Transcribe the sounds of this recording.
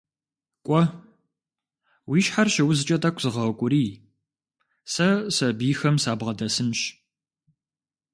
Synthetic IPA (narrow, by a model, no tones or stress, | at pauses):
kʷʼɔ | wiːʃħarʃɪwʊzɨt͡ʃʼɐtʼakʷʰz̥ɨʁɐkʷʼʊɾiː | sɐsɐbiːxɐmsaːbʁɐdɐsɨnɕ